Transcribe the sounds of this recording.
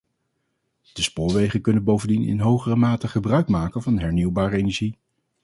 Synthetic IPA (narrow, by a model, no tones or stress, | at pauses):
d̥əspʊːɹʋejχənkɵnənbowvəndinɪ̰nɦowχərəmaːtəχəbrœɥkmaːkənvɑnɦɛɹniwbaːrəejnɛɹʒi